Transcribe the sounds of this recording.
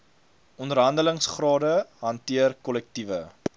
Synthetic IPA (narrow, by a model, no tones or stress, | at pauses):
ʔɔndərɦɐndələŋsχrɑːdəɦɐntiərkɔlɛk̚tivə